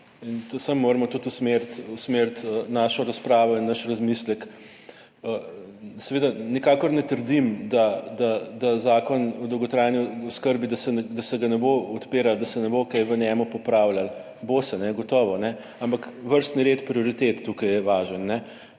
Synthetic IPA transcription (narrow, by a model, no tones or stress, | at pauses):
int̪samːoːɾmɔt̪ut̪usmeɾt̪usmeɾt̪ənaʃɔɾaspɾaːʋɔinːɐʃɾazmislɛk | ə | sɛʋeːd̪anikaːkɔɾnɛt̪əɾd̪imd̪ad̪ad̪azaːkɔnɔd̪ɔwɡɔt̪ɾajniɔskəɾbid̪asɛd̪asɛɡanɛboɔt̪peːɾald̪ɐsɛnɛbokajʋənɛmupɔpɾawlal | bosɛnɛɡɔt̪ɔːʋɔnɛ | ampakʋəɾst̪niɾeːt̪pɾioɾit̪et̪ːukajjɛʋaːʒənːɛ